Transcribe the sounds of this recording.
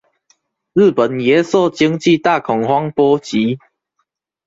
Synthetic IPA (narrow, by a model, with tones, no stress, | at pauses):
zɨ˥˨pə˨˩nje˨˦sɔ˥˨t͡ɕi˦ŋt͡ɕi˥˧˨t̪a˥˨kʰɔ˨˩ŋhwa˦ŋpɔ˦t͡ɕi˨˦